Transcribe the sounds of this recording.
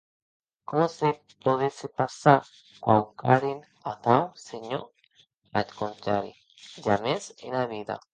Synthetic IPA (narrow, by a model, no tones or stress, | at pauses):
komose | poðesepasaɾ | kwawkaɾin | aθawseɲo | atkont̪aɾḭ | d͡ʒamesḛnaβiða̰